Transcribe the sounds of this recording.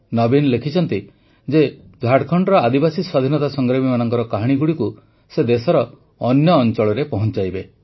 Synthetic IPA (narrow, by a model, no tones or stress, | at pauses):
nɔbinlekʰit͡ʃʰɔnt̪i | d͡ʒe | d͡ʒʱaɽkʰɔɳɖɔɾɔad̪ibasiswad̪ʱinɔt̪asɔŋɡɾabimanɔŋkɔɾɔkaɦaɽ̃iɡuɽiku | sed̪esɔɾɔː | njɔːnt͡ʃɔɭɔɾepɔɦɔnt͡ʃajbe